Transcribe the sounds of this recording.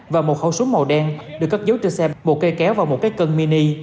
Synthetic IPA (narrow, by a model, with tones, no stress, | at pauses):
vaː˨˩mo˨˩t̚hə˧˩wsu˨˦ŋmo˨˩ɗaː˧ŋɗɨ˨˩əkːa˦˥k̚zə˨˦wt͡ɕɨ˧sɛ˧mo˨˩t̚ke˧kɛ˨˦wvaː˨˩wmo˨˩t̚kaː˨˦jkə˧nmi˧ni˧